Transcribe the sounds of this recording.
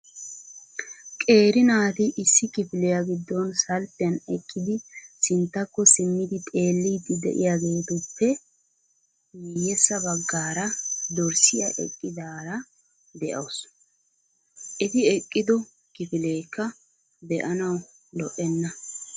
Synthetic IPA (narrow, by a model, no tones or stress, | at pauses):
kʼe̞ːɾɪnaːt̪ɪʔɪsːɪkɪfɪlɛjaɡɪd̪ːɔnsɐlt̪ːɪɐnɛkʼːɪd̪ɪsɪnt̪ːɐkːɔsɪmːɪd̪ɪt̪ʼe̞ːlːiːt̪ːɪd̪ɛ̰ʔɪjaɡe̞ːt̪ʊpːɛ | jijɛsːɐbɐɡːaːɾɐd̪ɔɾsɪjɐʔɛ̰kʼːɪd̪aːɾɐ | d̪ɛʔɐws | ʔɛt̪ɪɛkʼːɪd̪ɔ | kɪfɪleːkːɐ | d̪ɛʔɐnɐw | lɔʔɛnːɐ